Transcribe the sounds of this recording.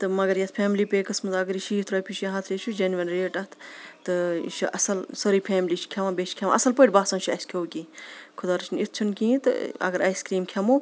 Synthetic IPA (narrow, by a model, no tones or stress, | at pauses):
t̪ɨmɐɡɐɾjɐt̪ʰpʰeːmlipeːkɐsmɐt̪ɐɡɐɾiʃiit̪ʰɾoːpʰʲit͡ʃʰjɐɦãt̪ʰɾet͡ʃʰud͡ʒenʋɐnɾeːʈɐt̪ʰɨḭʃʰiʔɐ̰sɐlsɐɾipʰeːmlit͡ʃʰkʰeʋãːbet͡ʃʰkʰemã̰ʔɐsɐlpəːʈʲbaːsɐnt͡ʃʰuɐskʰewkiːkʰud̪aːɾt͡ʃʰinit̪ʰt͡ʃʰunkĩːt̪ɨ̰ɐ̰ɡɐɾɐjskɾiːmkʰemoː